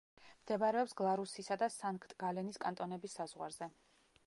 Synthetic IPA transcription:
md̪̥ɛbaɾɛɔpsɡlˠaɾusisad̪asaŋkʰt̪ʼɡ̥alɛniskʼant̪ʼɔnɛbisːazʁwaɾzɛ

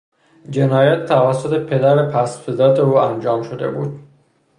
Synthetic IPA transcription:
d͡ʒenɒːjæt̪ʰːævæsːot̪ʰe̞pʰe̞d̪æɾepʰæsfezɒːt̪ʰeuːænd͡ʒɒːmʃod̪e̞̰buːd̪̥̚

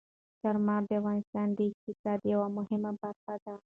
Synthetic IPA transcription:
t̪aɾmɑb̪avɣɑnɪst̪ɑnd̪əɪk̚t̪ɪsɑd̪jawamʊhɪmabaɾxad̪a

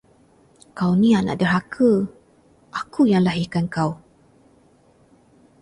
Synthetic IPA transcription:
kawnĩana̰ʔdərakʰə | ʔakujaŋlaɦikankaw

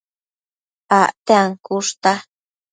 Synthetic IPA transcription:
aʔt̪eaŋkuʂt̪a

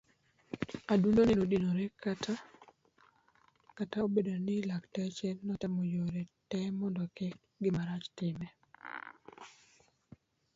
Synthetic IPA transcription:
adunonenodinoɾɛkata | kataobedonɪlaktɛt͡ʃɛnɔtamojoɾɛtɛmɔndɔkɛk̚ | ɡɪmaɾat͡ʃtɪmɛ

